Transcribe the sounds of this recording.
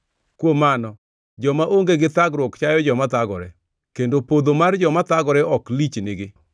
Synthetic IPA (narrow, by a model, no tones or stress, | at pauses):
kwomanɔ | d͡ʒɔmaʔoŋɡeɡɪt̪aɡɾwɔkt͡ʃajɔd͡ʒɔmat̪aɡɔ̰ɾɛ | kendopod̪omard͡ʒɔmat̪aɡɔɾɛʔɔklit͡ʃnɪɡɪ